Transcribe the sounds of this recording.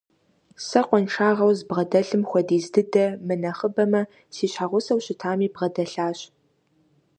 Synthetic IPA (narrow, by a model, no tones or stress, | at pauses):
sɐqʷɔnʈ͡ʂʰaːʁɐwzbʁɐdɐɬɨmxʷɔdiːzdɨdɐmɨnɐχəbɐmɐ | siːɕħaʁʷʊsɐwɕɪtʰaːmiːbʁɐdɐɬaːɕ